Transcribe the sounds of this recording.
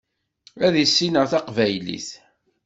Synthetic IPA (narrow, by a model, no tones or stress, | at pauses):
æðisːinəʁθɑqvæjlḭθ